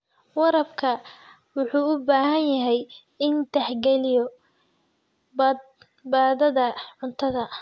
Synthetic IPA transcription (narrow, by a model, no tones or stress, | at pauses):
wɑɾɐbkʰɐ | wʊħuːʊbaːɦɐnjɐɦɛj | ɪnt̪ɛħɡɛlɪjɔ | b | baːðɐðɐʕʊnt̪ʰɐðɐ